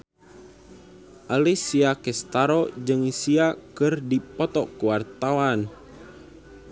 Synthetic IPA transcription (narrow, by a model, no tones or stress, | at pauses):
ʔalisiakɛst̪aɾɔd͡ʒɨŋisiakɨrdipɔt̪ɔkuwart̪awan